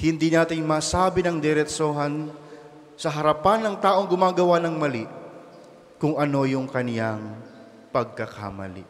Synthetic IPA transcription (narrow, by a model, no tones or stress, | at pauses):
hɪnd̪iːnaːt̪ɪŋmaːsaːbɪnɐŋd̪ɛɾɛt̪soːɦɐn | sɐɦɐɾɐpanːɐŋt̪aːʔo̞ŋɡʊmaːɡɐwanɐŋmɐliʔ | kʊŋʔɐno̞jʊŋkɐnjaŋ | pɐɡ̚kɐka̰mɐ̰lḭ